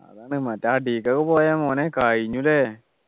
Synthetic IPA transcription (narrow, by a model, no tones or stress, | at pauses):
ɐ̰ðaːɳɖɨmɐtːaːɖiːkːɐkːɨpoːjamoːnekaɻiɲːule